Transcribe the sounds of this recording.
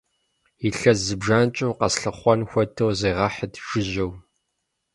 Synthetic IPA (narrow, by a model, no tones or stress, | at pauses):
iɬɐzɨbʒaːnt͡ʃʼɨwqɐsɬɨχʷɔnxʷɔtʰɐwzeːʁɐħətʰʃɪʑɐw